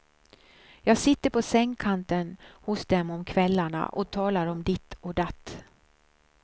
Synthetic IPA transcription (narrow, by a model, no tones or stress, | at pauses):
jɑːɡsɪt̪ːəɾpʰɔsɛŋːkʰant̪ənhʊsd̪ɛmɔmkʰvɛlːaɳa̰ʔɔt̪ʰɑːlaɾɔmd̪ɪt̪ːɔd̪at̪ː